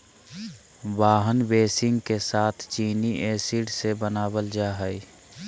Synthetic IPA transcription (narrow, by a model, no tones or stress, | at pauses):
ʋaːɦənbeːsɪ̃ŋɡkesaːt̪ʰt͡ʃiːniʔeːsiɽsebənaːwəld͡ʒaːɦəi